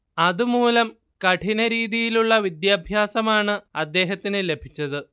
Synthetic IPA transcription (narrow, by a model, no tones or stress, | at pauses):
ɐðumuːlɐm | kɐʈʰinɐɾiːðijiluɭːɐʋid̪jaːbʱjaːsɐmaːɳɨɐd̪ːe̞ːɦɐt̪ːinɨle̞bʱit͡ɕːɐðɨ